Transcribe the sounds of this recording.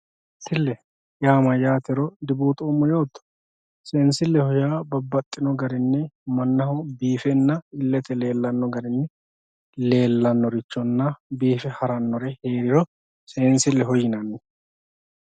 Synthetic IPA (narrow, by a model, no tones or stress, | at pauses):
sɪlːɛ | jaːmɐjaːt̪ɛɾɔd̪ɪbuːt̪ʼuːmːɔjo̞ːt̪ːɔ̥ | seːnsɪlːɛhɔjaːbɐbːɐt̪ʼːɪnɔɡɐɾɪnːɛmɐnːɐhɔbiːfɛnːɐɪlːɛt̪ɛle̞ːlːɐnːɔɡɐɾɪnːɛ | le̞ːlːɐnːɔɾɪt͡ʃːɔnːɐbiːfɛhɐɾɐnːɔɾɛhe̞ːɾɪɾɔ | seːnsɪlːɛɦɔjɪnɐnːɛ